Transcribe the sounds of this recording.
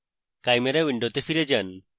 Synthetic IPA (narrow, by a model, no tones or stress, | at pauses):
kajmeɾewiɳɖot̪efiɾed͡ʒan